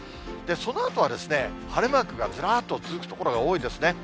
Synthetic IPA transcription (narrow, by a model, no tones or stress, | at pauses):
d̪̥e̞so̞no̞at̪o̞β̞ad̪e̞sɨne̞ | haɾɯmakɯ̟ɡad͡zɨɾaːt̪ːo̞t͡sɨzɨkɯ̟̥t̪o̞ko̞ɾo̞ɡao̞ːid̪e̞sɨne̞